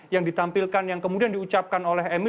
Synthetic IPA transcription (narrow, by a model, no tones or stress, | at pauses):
jaŋdit̪ampilkanjaŋkəmudiandiut͡ʃap̚kanolɛɦemi